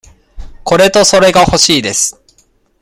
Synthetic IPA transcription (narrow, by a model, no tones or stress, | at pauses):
ko̞ɾe̞t̪o̞so̞ɾe̞ɡaho̞ɕiːd̪e̞sɨ̥